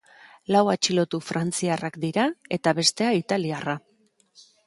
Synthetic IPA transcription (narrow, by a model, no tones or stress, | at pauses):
lawat͡ʃilo̞t̪ufɾant͡siarakd̪iɾae̞t̪aβe̞st̪e̞ait̪aliara